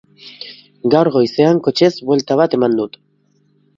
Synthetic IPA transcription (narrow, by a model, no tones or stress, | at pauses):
ɡawɾɣo̞jse̞aŋko̞t͡ʃe̞zβwe̞lt̪aβ̞at̪e̞mand̪ut̪